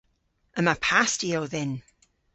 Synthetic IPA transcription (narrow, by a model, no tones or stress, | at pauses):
əmapʰastiowðɪn